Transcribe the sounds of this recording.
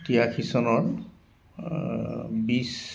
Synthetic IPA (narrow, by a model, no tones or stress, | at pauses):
tijakʰisɔnɔɹ | bis